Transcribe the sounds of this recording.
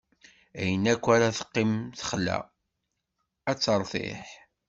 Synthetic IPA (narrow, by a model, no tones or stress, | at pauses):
æjənækʷːaɾaθə̥qːimθə̥χlæ̰ | æt͡sːəɾˤθḛħ